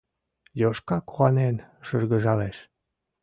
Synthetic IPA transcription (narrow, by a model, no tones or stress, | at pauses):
joʃkɑkuɑnenʃəʒɣə̆ʒɑleʃ